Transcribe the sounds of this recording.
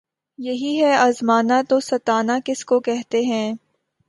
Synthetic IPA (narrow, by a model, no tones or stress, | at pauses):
jɐɦiɦɛaːzmaːnat̪osɐt̪aːnakɪskokɛɦt̪eɦɛ̃ː